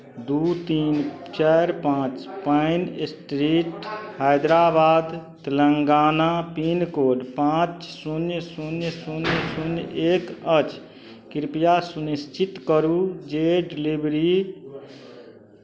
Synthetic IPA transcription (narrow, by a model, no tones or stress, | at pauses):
d̪ut̪iːnt͡ʃɛɾpãːt͡ʃpəɪnsʈɾiːʈhajd̪ɾabaːd̪t̪ələŋɡaːnapinkoːɖpãːt͡ʃsunjsunjsunjsunjeːkət͡ʃ | kɪɾpijasunist͡ʃit̪kəɾud͡ʒeɖilibɾi